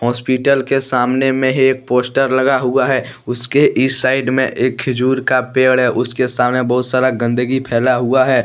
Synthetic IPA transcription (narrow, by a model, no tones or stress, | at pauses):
ɦɔːspiʈəlkesaːmnemẽɦeːk̚poːsʈəɾlɐɡaɦuaɦɛː | ʊskeʔisaːɪɖmḛ̃ʔeːkʰɪd͡ʒuːɾkapeːɽɦɛʔʊskesaːmnebɐɦʊt̪saːɾaɡə̃nd̪əɡipʰɛːlaɦuaɦɛː